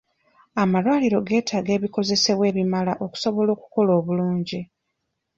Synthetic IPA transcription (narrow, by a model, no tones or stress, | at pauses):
amalwaːliɾo̞ɡe̞ːtʰaːɡe̞ːβiko̞ze̞se̞βwe̞ːβimalaʔo̞ku̥so̞βo̞lo̞ːku̥ko̞lo̞ːβuluːɲɟi